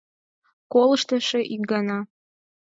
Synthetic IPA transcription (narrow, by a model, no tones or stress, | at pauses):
kolˠɤʃt̪əʃeʔikɡɑnɑ